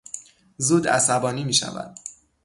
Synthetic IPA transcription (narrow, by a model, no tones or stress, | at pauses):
zuːd̪æ̰sæbɒːniːmiːʃæ̰væ̰d̪̥